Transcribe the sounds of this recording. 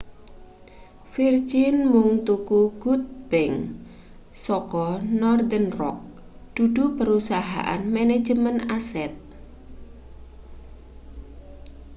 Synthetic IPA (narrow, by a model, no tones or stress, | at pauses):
fird͡ʒɪnmuŋt̪ukuɡ̥ut̪̚b̥ɛŋ | sɔkɔnɔrd̪ənrɔ̰k̚ | d̪̥uɖ̪̥upəɾusaɦa̰ʔa̰nmɛne̥d͡ʒəmənasɛt̪̚